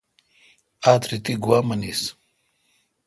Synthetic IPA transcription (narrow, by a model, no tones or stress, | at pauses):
aːt̪ɾit̪iɡuwaːmɐnis